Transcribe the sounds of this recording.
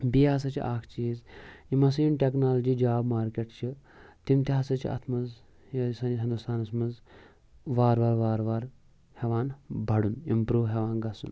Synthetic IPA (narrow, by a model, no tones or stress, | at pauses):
biːas̬ɐt͡ʃʰḭʔaːkʰt͡ʃiːzimɐsiːnʈeknaːlɐd͡ʒiːd͡ʒaːbmaːɾkeʈt͡ʃʰi | t̪imt̪iɦasɐt͡ʃʰḭɐ̰t̪ʰmɐz | jɐsɐniɦɐnd̪ust̪ʰaːnɐsmɐz | ʋaːɾʋaːɾʋaːɾʋaːɾ | heʋaːnbʱɐɽunimpɾuːʋɦeʋaːnɡɐsṵn